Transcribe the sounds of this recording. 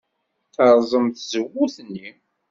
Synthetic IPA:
θəɾˤzˤəmθzəwːuθnːi

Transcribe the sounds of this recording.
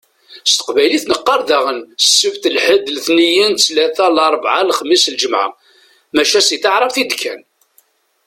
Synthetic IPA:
st̪ə̥qvæjliθnəqːɑɾˤðæʁənsːəvt̪əlħəd̪lθnijənt͡slæθælɑɾˤbʕalχəmːislʒəmʕa̰ | mæʃæsiθɑʕɾˤɑfθid̪kʰːæn

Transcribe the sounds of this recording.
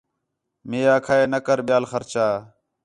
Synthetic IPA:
meːjaːkʰaːeːnəkəɾɓɪjaːlxəɾt͡ʃaː

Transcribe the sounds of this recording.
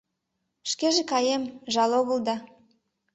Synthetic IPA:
ʃkeʒekɑjemʒɑloɣəlˠd̪ɑ

